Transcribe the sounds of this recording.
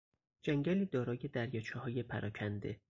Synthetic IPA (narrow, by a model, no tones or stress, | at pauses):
d͡ʒæŋɟæliːd̪ɒːɾɒːje̞d̪æɾjɒːt͡ʃʰɒhɒːje̞pʰæɾɒːcʰænd̪e̞